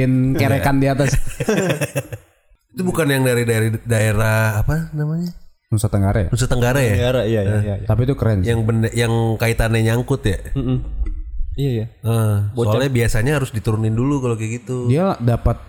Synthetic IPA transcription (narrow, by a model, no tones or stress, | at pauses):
ɪnkeɾekandiat̪as | it̪ubukanjaŋdaɾidaɾidaeɾaːpanamaɲa | nusat̪əŋɡaɾa̰ja̰nusat̪əŋɡaɾajaaɾaijaəat̪ap̬it̪ukəɾɛnjaŋbəndəjaŋkait̪anaɲaŋkʊt̪jam̩ | ijaijaəbooalɛbiasaɲaɦaɾʊsdit̪uɾunɪndulukalokiɡit̪udialadapat̪̚